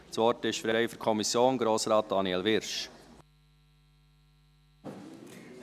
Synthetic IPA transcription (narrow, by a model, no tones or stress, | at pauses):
sʋɔɾtɪʃfɾɛɾɛɪfɔkʰɔmisjoːnɡɾoːsɾɑːt̚d̥ɑniɛlʋɪɾʃ